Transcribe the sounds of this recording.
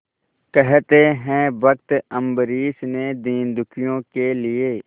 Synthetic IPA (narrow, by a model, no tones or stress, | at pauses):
kɛɦt̪eɦɛ̃bək̚t̪ə̃mbəɾiːsned̪iːnd̪ʊkʰɪjõkelɪeː